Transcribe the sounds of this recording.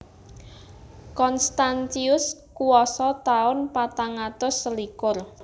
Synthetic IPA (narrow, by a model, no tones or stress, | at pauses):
kɔnst̪ant͡ʃiʊskuwɔsɔt̪aʊnpat̪aŋat̪ʊsːəlikʊr